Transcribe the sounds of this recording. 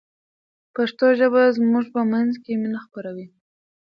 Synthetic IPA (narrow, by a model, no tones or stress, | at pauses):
paʂt̪oʒəbazmuʐpəmanzkeminaxpaɾawi